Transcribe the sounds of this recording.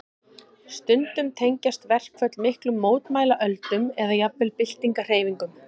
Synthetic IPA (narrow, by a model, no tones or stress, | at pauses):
st̪ʏnt̪ʏmt̪ʰejɲcast̪vɛr̥kʰvœt̪lmɪhklʏmːoːwt̪maːjlaʔœlt̪ʏmɛðajapvɪlpɪl̥t̪iŋkar̥eːjviŋkʏm